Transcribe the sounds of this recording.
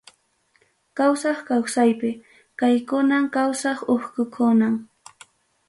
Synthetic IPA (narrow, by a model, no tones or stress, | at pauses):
kawsɑχkawsajpɪ | kajkʊnamkawsɑχoχkʊkʰʊnaŋ